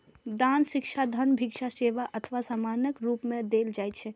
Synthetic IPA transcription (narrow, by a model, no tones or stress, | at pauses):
d̪anʃikt͡ʃʰad̪ʱənbʱikʃʰaseʋaʔət̪ʰʋasamanjəkɾupmẽd̪eld͡ʒajt̪̚t͡ʃʰɛ